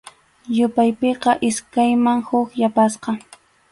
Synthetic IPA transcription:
jʊpajpeqɑʔɪskajmaŋhʊkjapasqɑ

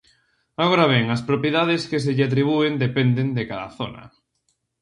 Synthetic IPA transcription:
aɣoɾaβɛŋɐspɾopjeðaðeskes̬eʎat̪̬ɾiβ̞uend̪epɛnd̪end̪ekaða̰θo̰nɐ̰

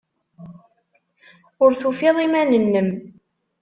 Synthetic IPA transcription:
ʊɾθufeðˤimænənːəm

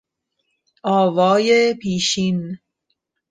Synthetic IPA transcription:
ʔɒːvɒːjepʰiːʃin

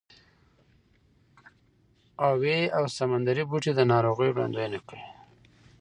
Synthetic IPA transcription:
aweawsamand̪aɾibuʈed̪ənɑɾoɣəjɽa̰nd̪ojnakɽe

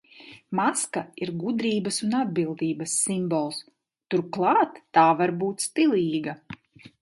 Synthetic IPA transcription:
maskaiɾɡud̪ɾiːbɐsunad̪̚bilˠd̪iːbɐsːimbɔlˠs | t̪uɾklˠɑːt̪ːaːvaɾbuːt̪ʲst̪ilˠiːɡa

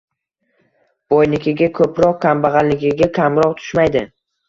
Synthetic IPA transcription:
b̥ojnɪkʲʰɪɡʲakʰɵpɾɒq̚kʲʰambaʁalnːɪkʲʰɪɡʲakʲʰamɾɒqt̪ʰʊ̥ʃmajd̪ɪ

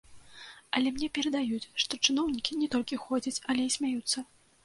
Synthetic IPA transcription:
ɐlʲɛmnʲɛpʲɛɾɐd̪ajut͡sʲʂt̪ɔt͡ʂɨnɔwnʲikʲinʲɛt̪ɔlʲkʲixɔd͡zʲɐt͡sʲɐlʲɛisʲmʲajut̪sːɐ

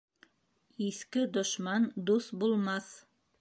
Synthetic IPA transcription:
iθkɘd̪ŏʃmɑnd̪uθbulˠmɑθ

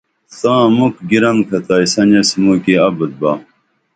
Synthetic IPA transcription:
t̪ãːmukɡiɾɐŋkʰɐt̪aːisɐnɐsimuːkeɐbət̪̚baː

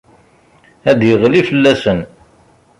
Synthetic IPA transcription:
æd̪jəʁlifəlːæsən

